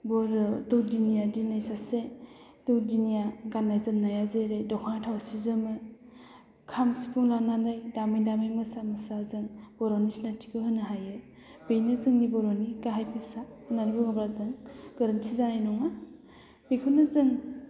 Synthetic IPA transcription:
bɔɾɯdɯwdinijadinajsase | d̥ɯwdinijaɡanːajzɯmnajazeɾejdɔkʰaŋtʰawasizɯmɯ | kʰamsipʰuŋlananajdamijdamijmɯsamɯsazɯŋbɔɾɔnisnatʰi̥kɯhɯnɯɦajɯ | b̥ejnɯzɯŋnibɔɾɔniɡaɦajpʰɯsaɯnanibuŋabɾazɯŋɡ̥ɯɾɯntʰizaanɔŋa | bikʰɔnɯzɯŋ

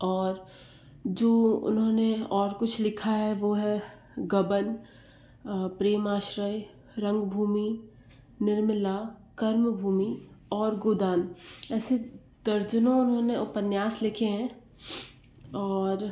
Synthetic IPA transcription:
ɔːɾ | d͡ʒoːʊ̰nɦõneɔːɾkʊt͡ʃʰlɪkʰaɦɛʋoːɦɛ | ɡɐbən | pɾeːmaːʃɾəj | ɾɐ̃ŋɡbʱuːmi | nɪɾmɪlakɐɾmbʱuːmiɔːɾɡoːd̪aːnɛːse | d̪ɐɾd͡ʒənõʊnɦõneʊpənjaːslɪkʰeɦɛ̃ | ɔːɾ

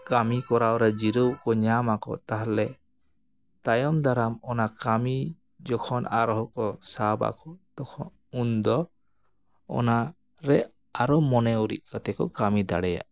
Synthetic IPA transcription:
kamikɔɾawɾɛd͡ʒiɾəwkɔɲamakɔ̰t̪aɦlɛ | t̪ajɔmd̪aɾamɔnakami | d͡ʒɔkʰɔnaɾɔɦɔkɔsaba̰kɔt̪ɔkʰɔn | und̪ɔ | ɔ̰na | ɾɛ | aɾɔmɔnɛuɾḭt̪̚kat̪ɛkɔkamid̪a̰ɽɛja̰ʔ

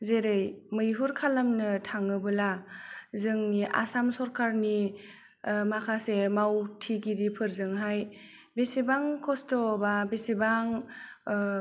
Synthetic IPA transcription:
zeɾɯjmɯjɦuɾkʰalamnɯtʰaŋɯbɯlazɯŋniʔa̰samsɔɾkʰaɾni | makʰasemawtʰiɡidipʰɯɾzɯŋɦajbesibaŋkʰɔstɔbabesibaŋ

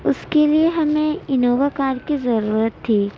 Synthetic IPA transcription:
ʊskelieɦɐmẽɪnoːʋakaːɾɖkizɐɾuːɾət̪ʰːiː

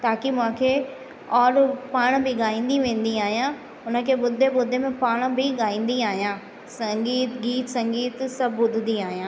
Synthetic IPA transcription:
t̪aːkimʊ̃ɦãkʰeː | ɔːɾpaːɽ̃bɪɠaːĩːn̆d̪iʋẽːn̆d̪iaːɦijã | ʊnə̆kʰeːɓʊd̪ʱeɓʊd̪ʱemẽpaːɽ̃bɪɠaːĩːn̆d̪iaːɦijãː | sɐŋɡiːt̪ɡiːt̪sɐ̃ŋɡiːt̪sɐbʱbʊd̪ʱɪd̪iaːɦijãː

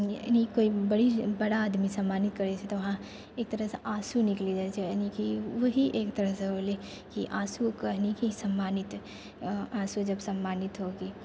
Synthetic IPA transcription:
nikoːibɐɽibɐɽaːd̪misɐ̃mːaːnɪt̪kəɾet͡ʃʰet̪oʋɐɦã | eːk̚t̪əɾəɦseʔaːsunɪklid͡ʒat͡ʃʰenikiʋəɦiʔeːkt̪əɾəɦseɦole | kiʔaːsukəɦnikisɐmːaːnɪt̪ | aːsud͡ʒɐbsɐmːaːnɪt̪ɦoɡiː

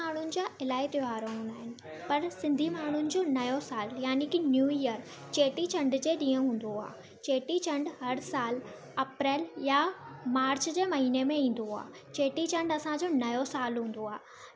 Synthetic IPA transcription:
aːɳ̤ʊnɪ̆d͡ʑaːʔɪlaːit̪jaːɾoɦũːnd̪aːɦɪnɪ̆ | pɐɾsɪ̃nd̪ʱimaːɳ̤ʊnɪ̆d͡ʑoːnɐjosaːljaːnikinjuːiəɾ | t͡ɕeːʈit͡ɕɐ̃ɳɖd͡ʑeːɗĩːə̃ɦũːn̆d̪oa̰ː | t͡ɕeːʈit͡ɕɐ̃ɳɖhɐɾsaːl | ɐpɾɛːljamaːɾt͡ɕd͡ʑeːmɐɦiːnemẽĩːn̆d̪oa̰ː | t͡ɕeːʈit͡ɕɐ̃ɳɖɐsãd͡ʑoːnɐjosaːlɦũːn̆d̪oaː

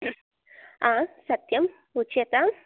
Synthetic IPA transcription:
ãsɐt̪jɐm | ut͡ʃet̪a

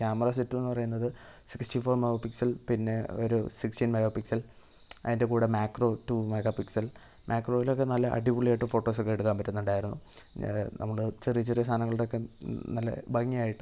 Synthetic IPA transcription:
kʲaːmɐraːsitːumenːɨpɐrɐjunːɐðɨsiksʈifo̞ːrmeɣɐpiksɐlpinːe̞o̰ɾusikstinmeɣɐpiksɐl | ɐ̰ðindekuːɽemaːkro̞ːtumeɣɐpiksɐl | mʔjaːkro̞ːjilo̞kːe̞nɐlːɐʔɐ̰ɖiʋuɭeːʈːɨfo̞ːʈːo̞ːsokːeɽuðaːmbɐtːunːuɳɖaːjiɾunːu | nʔɐ̰mːɐɭɨt͡ɕerit͡ɕːɐriɐst̪ʰaːnɐŋːɐɭuɽeokːe̞nɐlːɐ̰bʱɐŋːijaːjiʈːɨ

